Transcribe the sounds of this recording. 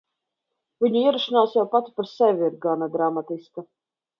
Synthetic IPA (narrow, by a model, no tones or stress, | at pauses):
vʲiɲuiɛɾaʃinaːsjawpat̪i̥paɾsɛvʲiiɾɡanaɡɾamat̪iska